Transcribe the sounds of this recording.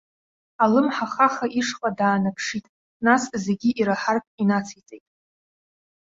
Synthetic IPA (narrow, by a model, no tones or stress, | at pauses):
alɨmħaχaχaʔiʂqʼadaːnapʰʂitʼ | nasze̞ɡʲiʔiɾaħarpʰinat͡sʰit͡sʼejtʼ